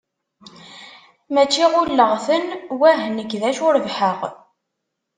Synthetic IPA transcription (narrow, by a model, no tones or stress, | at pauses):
mæt͡ʃːiʁʊlːəʁθənwæɦnəɡðæʃʊɾəvħəʁ